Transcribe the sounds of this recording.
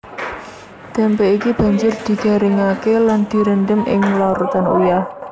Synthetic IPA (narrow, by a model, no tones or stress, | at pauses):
d̪̥ɛmpɛikib̥ä̤ɲd͡ʒʊrd̪̥i̤ɡ̥a̤ɾɪŋakeland̪̥i̤ɾənɖəmʔɪ̰ŋlaɾut̪anṵjah